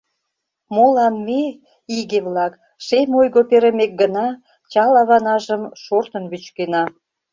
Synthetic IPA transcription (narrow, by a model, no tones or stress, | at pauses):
molɑnme | iɣeβlɑk | ʃemʲojɣopeɾĕmek̚ɡənɑ | t͡ɕɑlɑβɑnɑʒəmʃort̪ənβyt͡ɕkenɑ